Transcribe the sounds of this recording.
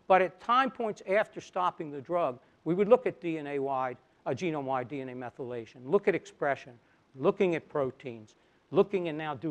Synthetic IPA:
b̥ʌɾɨtʰãɪ̃mpʰɔ̃ɪ̃ntsæftə˞stɑpɪ̃ŋðɨdɹʌɡ̚ | wiwɨdˡlʊkɨt̚d̥iɛ̃neɪwaɪd̚ | ʌd͡ʒiñõʊmwaɪdiɛ̃neɪmɛθəleɪʃɨ̃nlʊkɨɾɨkspɹɛʃɨ̃n | lʊkɪ̃ŋɨt̚pʰɹ̥oʊtʰĩnz̥ | lʊkɪ̃ŋɨ̃nːaʊdɨ

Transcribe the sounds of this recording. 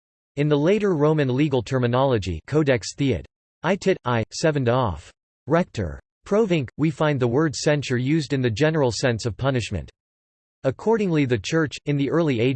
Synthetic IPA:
ɨ̃nðəleɪɾə˞ɹõʊ̃mɨ̃nliɡl̩ˠtʰɜ˞mɨnɑlˠəd͡ʒḭkʰoʊdɛksθiɨ̰ɾ | aɪtʰɪɾaɪsɛvɨ̃n̩dɔf | ɹɛk̚tʰə̰˞ | pʰɹ̥oʊvɪ̃ŋkwifãɪ̃nðəwɜ˞dsɛ̃nʃə˞jʉzdɨ̃nðɨd͡ʒɛnə˞l̩ˠsɛ̃nsʌv̥pʰʌnɨʃmɨ̰̃nt | əkʰɔɹɾɪ̃ŋliðɨt͡ʃʰɜ˞t͡ʃɨ̃nðiʔɜ˞lˠieɪ

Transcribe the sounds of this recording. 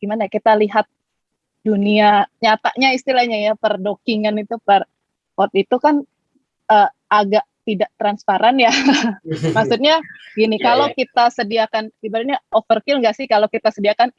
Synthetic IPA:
ɡ̥imanajakit̪aliɦat̪̚ | duniaɲat̪aʔɲaist̪ilahɲajapərdokiŋanit̪upər | kɔt̪̚it̪ukan | əː | aɡaʔt̪idaʔt̪ɾanspaɾanja | maksut̪̚ɲaɡinikalokit̪asədiakanɡibaɾaɲaʔofərkilŋɡaʔsɪhkalokit̪asədiakan

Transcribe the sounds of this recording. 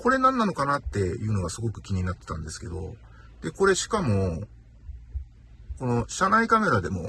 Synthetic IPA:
ko̞ɾe̞nãnːano̞kanat̪ːe̞jɯ̟ːno̞ɡasɨɡo̞kɯ̟̥kʲiɲ̟inat̪ːet̪ã̰nd̪e̞sɨ̥ke̞̰d̪o̞̰ | d̪̥e̞ko̞ɾe̞ɕi̥kamo̞ | ko̞no̞ɕanaikame̞ɾad̪e̞mo̞̰

